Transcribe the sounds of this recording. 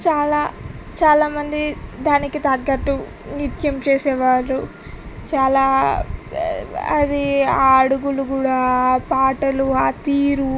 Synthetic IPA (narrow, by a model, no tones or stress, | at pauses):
t͡ʃaːlaː | t͡ʃaːlaːmɐnd̪id̪aːnikit̪ɐɡːɐʈːu | njut̪jɐmt͡ʃeːsɛːʋaːɾu | t͡ʃaːlaː | ɐd̪iaːɐɽuɡuluɡuːɽaːpaːʈɐluaːt̪iːɾu